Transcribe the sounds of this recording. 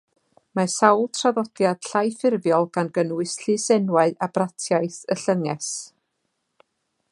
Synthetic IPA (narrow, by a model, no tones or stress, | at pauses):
masawlˠtʰraðɔd̥jad̥ɬajfɪrvjɔlˠɡ̥anɡənwɨsɬɨsɛnwaɨabratʰjajθəɬəŋɛs